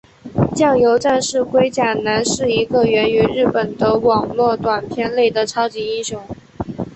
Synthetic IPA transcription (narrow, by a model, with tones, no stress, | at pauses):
t͡ɕjɑ˥˩ŋjo˧˥ʊʈ͡ʂa˥˧nʂɻ̩˥˩kwe˥ɪt͡ɕja˨˩na˧˥nʂɻ̩˥˩i˧˥ɡə˧ɥɛ˧˥ny˧˥ɻɻ̩˥˩pə˨˩nd̪ə˦wɑ˨˩ŋlwɔ˥˩t̪wa˨˩npʰjɛ˥˧nle˥˩ɪd̪ə˩ʈ͡ʂʰɑ˥ʊt͡ɕi˧˥i˥˩nɕjʊ˧˥ŋ